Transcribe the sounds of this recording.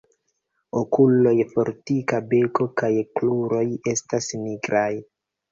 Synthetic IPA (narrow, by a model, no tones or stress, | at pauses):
okulo̞jfo̞ɾtikabe̞ko̞kajkluɾo̞je̞stasniɡɾʔaj